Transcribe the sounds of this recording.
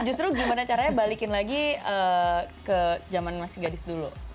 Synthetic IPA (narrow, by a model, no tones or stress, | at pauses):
d͡ʒust̪ɾuɡimanat͡ʃaɾaɲabalikɪnlaɡiəkəd͡ʒamanmasɪɡadɪsdulu